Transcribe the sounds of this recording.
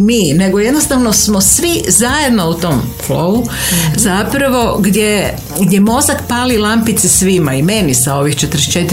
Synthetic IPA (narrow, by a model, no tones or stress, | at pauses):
miːne̞ɡoje̞d̪nost̪aʋno̞smosʋizaje̞d̪nout̪o̞m | flouzapɾaʋo̞ɡd̪ʲje | ɡd̪je̞mo̞zakpaːlilˠampit̪sisʋimaime̞nisao̞ʋixt͡ʃet̪ɾest͡ʃet̪